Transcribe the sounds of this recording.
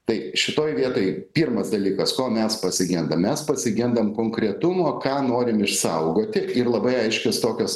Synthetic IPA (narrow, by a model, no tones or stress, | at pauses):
t̪ɐɪʃʲɪt̪oːjʋʲiɛt̪oːjɪpʲiːrmɐsd̪ɐlʲiːkɐskoːmʲɛspɐsʲɪɡʲɪnd̪ɐmmʲɛspɐsʲɪɡʲɪnd̪ɐmkoːŋkɾʲɛt̪ʊmoːkɑːnoːɾʲɪmɪʃsɐʊɡoːt̪ʲɪʔɪrlˠɐbɐɪɐɪʃʲkʲost̪oːkʲoːs